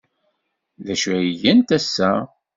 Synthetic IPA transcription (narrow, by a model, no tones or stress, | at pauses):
ðæʃæijænt̪æsːæ